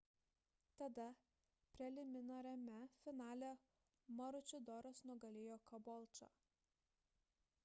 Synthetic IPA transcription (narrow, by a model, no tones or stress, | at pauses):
t̪ɐd̪ɐ | pʲɾʲɛlʲɪmʲɪnoːɾʲɛmʲɛfʲɪnɑːlʲoː | mɐɾʊt͡ʃʲʊd̪ɔɾɔsnuɔɡɐlʲejoːkɐbɔlˠʲt͡ʃo̰